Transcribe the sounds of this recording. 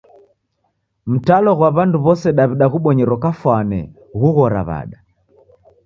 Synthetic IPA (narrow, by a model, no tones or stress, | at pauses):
m̩talɔɣwaβanduβɔsɛɗaβiɗaɣuɓɔɲɛɾɔkafwanɛ̰ | ɣuɣɔɾa̰βa̰ɗa